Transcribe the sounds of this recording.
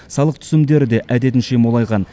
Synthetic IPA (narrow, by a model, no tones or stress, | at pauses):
sɑlˠəq̚t̪ʰʏ̥sɪmd̪e̞ɾɪd̪e̞ʔæd̪e̞t̪ɪnʃemolˠɑjʁɑn